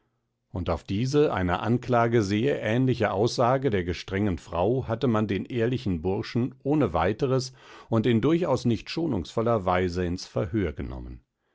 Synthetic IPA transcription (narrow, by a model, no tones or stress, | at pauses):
ʔʊntaʊfd̥iːzəʔa̰ɪnə̰ʔanklaːɡəzeːɐʔɛːnlɪçəʔaʊsz̥aːɡədeːɐɡəʃtʁ̥ɛŋənfʁ̥a̰ʊhatəmandeːnʔeːɐlɪçn̩bʊɐʃn̩ʔoːnəvaɪtəʁəsʊntɪndʊɐçaʊsnɪçtʃoːnʊ̰ŋsfɔlɐvaɪzəɪnsfɛɐɦøːɐɡənɔ̰mə̰n